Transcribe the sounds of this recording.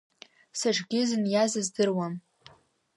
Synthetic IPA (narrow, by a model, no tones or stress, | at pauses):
saʐɡʲɪzɨnjazɨzdɨrwam